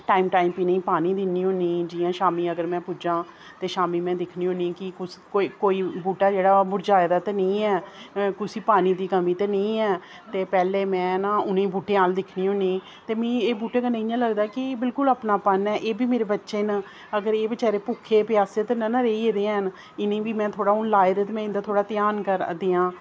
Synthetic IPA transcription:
ʈaːiːmʈaːimpiːnə̃ĩːpaːniːd̪ɪnːiːɦõːniːd͡ʒɪːãːʃaːmiːəɡəɾmɛ̃ːpud͡ʒãː | t̪eːʃaːmiːmɛ̃ːd̪ɪkʰniːɦõːniːkɪkʊskoikoːiːbuːʈaːd͡ʒeːɽaːbʊɾd͡ʒaːed̪aːt̪aːnə̃ĩːɛːkʊsiːpaːniːd̪iːkəmĩːt̪eːnə̃ĩːɛː | t̪eːpɛːleːmɛ̃ːnãːʊnẽːbuːʈeːaːld̪ɪkʰniːɦõːniː | t̪eːmĩːeːbuːʈeːkənə̃ĩãːləɡd̪aːkɪːbɪlkʊləpnaːpənɛːʔeːbiːmeːɾeːbətːʃeːn | əɡəɾeːbət͡ʃaːɾeːpuːkʰːeːpjaːseːt̪ːnənaɾeiːed̪eːn | ɪnẽːʋiːmɛ̃ːt̪ʰoːɽaːʊnlaːɪɾeːt̪ːmɛ̃ːɪ̃nd̪aːt̪ʰoːɽaːt̪ɪjaːnkəɾd̪eːãː

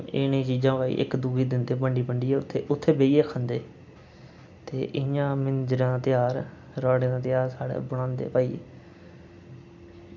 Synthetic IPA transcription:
ḛnĩːt͡ʃiːd͡ʒãːʋaːḭːʔɪ̰kd̪uːɡiːd̪ɪnd̪eːbəɳɖiːpəɳɖiːɛːʊt̪ʰːeːʔʊt̪ʰːeːbeːiːeːəkʰə̃nd̪eː | t̪eːʔɪjãːmɪnd͡ʒɾ̃ːt̪ɪjaːɾ | ɾaːɽẽːaːt̪ɪjaːɾsaːɽḛːbɽ̃ãːnd̪ḛːpaːḭː

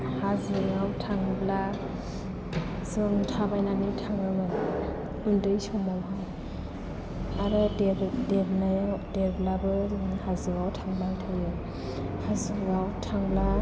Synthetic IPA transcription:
hazɯɡawtʰaŋbla | sɯŋtʰabajnanitʰaŋɯmɯn | undɯjsɔŋmamɦaj | aɾɯdedebnajadeɾblabɯzɯhazɯɡawtʰaŋbaŋtʰajɯ | hazɯɡawtʰaŋbla

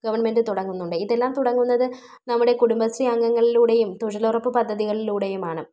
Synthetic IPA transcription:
ɡɐʋɐrɳme̞ndɨt̪uɽɐŋːunːuɳɖɨiðe̞lːaːmt̪uɽɐŋːunːɐðɨ | nɐmːuɽe̞kuɽumbɐsriɐŋːɐŋːɐɭiluːɽe̞jumt̪uɻɐlurɐpːɨpɐd̪ʱːɐðiɣɐɭiluːɽe̞jumaːɳɨ

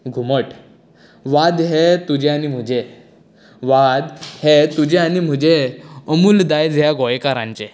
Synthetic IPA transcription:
ɡʱuməʈ | ʋad̪ɦet̪ud͡ʑeañim̤əd͡ʑe | ʋad̪het̪ud͡ʑeanim̤əd͡ʑeəmuːld̪ajd͡zʱjaɡɔjkaɾã̰ɲt͡ɕe

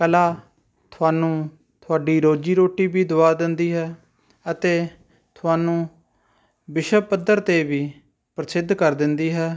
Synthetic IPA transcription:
kəlaː | t̪ʰʊaːnũː | t̪ʰʊaːɖiːɾoːd͡ʒiːɾoːʈiːbiːd̪ʊaːd̪ɪnd̪iːɦɛː | ət̪eː | t̪ʰʊaːnũː | bɪʃəpəd̪əɾt̪eːbiː | pɾəsɪd̪ʱkəɾd̪ɪnd̪iːɦɛː

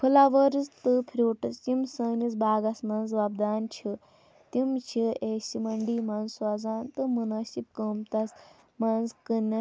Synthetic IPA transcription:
pʰɐlaʋəɾzt̪ɨpʰɾʲuːʈɐst̪imsəŋnit͡sbaːɡɐsmɐnzʋabd̪aːnt͡ʃʰi | t̪imt͡ʃʰiesimɐɳɖiːmɐnzsazaːnt̪ɨmunɐsip̚kəmt̪ɐs | manzkənːɐ

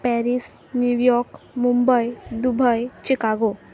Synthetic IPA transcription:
pɛɾis | njuʋjɔɾkmumbəjd̪ubʱəjt͡ɕikaɡo

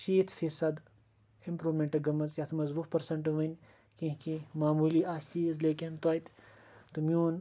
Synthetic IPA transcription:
ʃiːt̪ʰfisɐd̪ | impɾuːmeɳʈɐɡɐmɐzjʲɐt̪ʰmɐzʋufpɐɾsɐɳʈʋɐnʲ | kĩɦkimaːmuːliːaʃiːzleːkʲɐnt̪wɐjt̪ʲ | t̪umʲjuːn

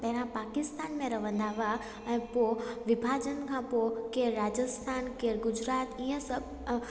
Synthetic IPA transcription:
pɐɦɪ̃ɾ̃ãpaːkɪst̪aːnmẽɾɐʋə̃nd̪ʱaːʋa | ɛ̃ːpoʋɪbʱaːd͡ʑənkʰãpokeːɾɾaːd͡ʑəst̪ʰaːnkeːɾɡʊd͡ʑɾaːt̪iːə̃səb̚ʱ

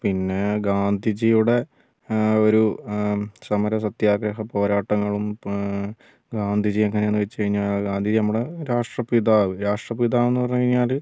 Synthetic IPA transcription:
pinːe̞ɡaːnd̪ʱid͡ʑijuɽe̞ | o̞ɾu | sɐmɐɾɐs̬ɐt̪jaːɡɾɐɦɐpo̞ːɾaːʈːɐŋːɐɭum | ɡaːnd̪ʱid͡ʑijeŋːɐneeːnːɨʋet͡ɕːkɐɻiɲːaːlɡaːnd̪ʱid͡ʑinɐmːuɽeɾaːʂʈrɐpid̪aːɾaːʂʈrɐpiðaːenːɨpɐrɲːukɐɻiɲːaːl

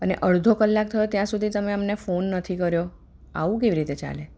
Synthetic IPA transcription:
əneʔəɭd̪ʱokəlːak̚t̪ʰəjot̪jãsud̪ʱit̪əmeəmnefonːət̪ʰikəɾjo | a̰ʋũkeʋiɾit̪et͡ʃa̰le

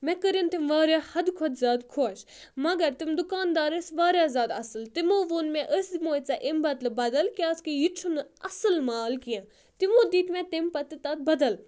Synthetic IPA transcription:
mɛ̃kəɾint̪imʋaːɾʲjahɐd̪kʰɔd̪zʲaːd̪kʰoʃ | mɐɡɐɾt̪imd̪ukaːnd̪aːɾəsʋaːɾʲjaːzʲaːd̪ɐsɨlt̪imoʋoːnmɛ̃ʔəsd̪imoːt͡saʔembɐt̪lɨbɐd̪ɐlkʲaːskijit͡ʃʰunɨɐ̰sɨlmaːlkijã | t̪imõːd̪iːt̪mɛ̃t̪empɐt̪ːɨt̪ɐt̪̚bɐd̪ɐl

